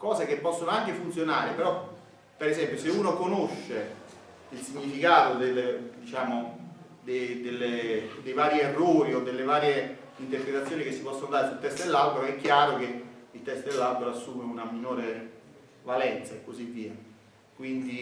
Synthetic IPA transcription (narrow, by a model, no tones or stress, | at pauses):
kɔːzek̟epːɔsːonoaŋk̟efunt̪sjonaːɾepeɾɔ | peɾezɛmpjoseuːnokonoʃːe | ilsiɲːifikaːt̪od̪eld̪it͡ʃaːmo | d̪ed̪elːed̪ejvaːɾjierːoːɾiod̪ːelːevaːɾje | int̪erpɾet̪at̪sːjoːnik̟esːipɔsːonod̪aːɾesult̪ːɛst̪elːalbeɾoɛkːjaːɾok̟eilt̪ɛst̪d̪elːalbeɾoasːuːmeunaminoːɾe | valɛnt̪saekːozivːiːa | kwind̪i